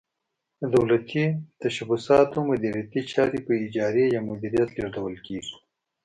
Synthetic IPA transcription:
əd̪awlat̪ʰit̪aʃabʊsɑːt̪omʊd̪iɾjat̪it͡ʃɑːɾipəɪd͡ʒɑɾejamʊd̪iɾijat̪leʐd̪awəlkeːɡi̥

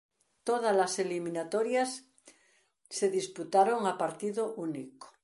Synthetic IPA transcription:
t̪oð̞alaselimĩnat̪oɾjas | seðisput̪aɾoŋapaɾt̪iðoʔuniko̥

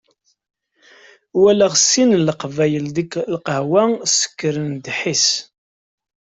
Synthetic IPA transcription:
wælæʁsːinləqvæjəld̪iklqəhwæsə̥kːəɾənd̪ħis

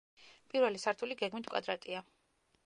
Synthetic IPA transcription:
pʼiɾvɛlisaɾt̪ʰuliɡɛɡmit̪ʰkʼwa̰d̪ɾat̪ʼia

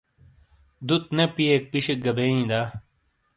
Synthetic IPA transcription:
d̪ut̪̚nepiek̚piɕek̚ɡɐbeːĩːd̪aː

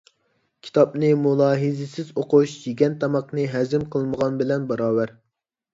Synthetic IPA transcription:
kʲʰi̥t̪ʰɑpnɨmulˠɑːɦɨzɪsɪzoquʃd͡ʒiɡʲɛnt̪ʰɑmɑqnɨɦɛzɪmqʰəlˠməʁɑnbɪlɛnbɑɾɑːwæɾ

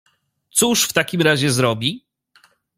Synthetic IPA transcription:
t̪suʂft̪akʲimɾaʑɛzɾɔbʲi

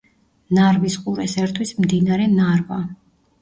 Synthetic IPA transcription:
naɾvisqʼuɾɛsɛɾt̪ʰwismd̪inaɾɛnaɾva

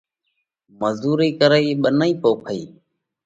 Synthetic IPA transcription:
məzuːɾiːkəɾəiːɓənəiːpoːkʰəḭː

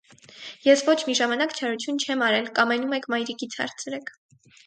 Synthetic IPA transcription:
jɛsvɔt͡ʃʰmiʒɑmɑnɑkt͡ʃʰɑɾut͡sʰjunt͡ʃʰɛmɑɾɛlkɑmɛnumɛkʰmɑjɾikit͡sʰhɑ̰ɾt͡sʰɾɛkʰ

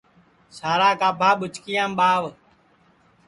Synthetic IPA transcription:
saːɾaːkaːpaːɓʊt͡ʃkɪjãːmɓaːʋ

